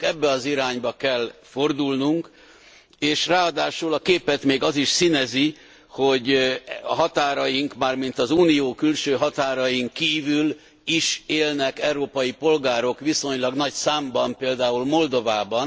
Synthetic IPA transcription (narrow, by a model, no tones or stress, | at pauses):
kɛbːɛɒziɾaːɲbɒkɛlfo̞rd̪ulnuŋk | eːʃraːɒd̪aːʃulɒkeːpɛt̪meːɡɒziʃsinɛzi | ho̞ɟɒɦɒt̪aːɾɒjiŋkmaːrmint̪ɒzuːnijoːkylʃøːɦɒt̪aːɾɒjiŋkːiːvyl | iʃeːlnɛkɛuɾoːpɒjipo̞lɡaːɾo̞kʋiso̞ɲlɒɡnɒcsaːmbɒmpeːld̪aːulmo̞ld̪o̞vaːbɒn